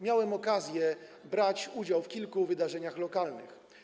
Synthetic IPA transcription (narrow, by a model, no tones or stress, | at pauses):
mʲjawɛmɔkazʲjɛbɾat͡ɕud͡ʑawfkʲilkuvɘd̪aʐɛɲaxlɔkalnɘ̰x